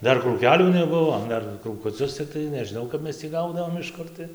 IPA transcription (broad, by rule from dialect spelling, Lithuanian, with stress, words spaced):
ˈdɐr kruːˈkʲæːˈlʲuː nʲɛˈbʊʋoː ˈdɐr kruːkʊˈt͡sʲʊs t͡sʲɪkˈtɐɪ nʲɛʒʲɪˈnɐʊ kɐp ˈmʲɛs tʲiː ˈɡɐʊdɐʋoːm ɪʃ ˈkʊr tɐɪ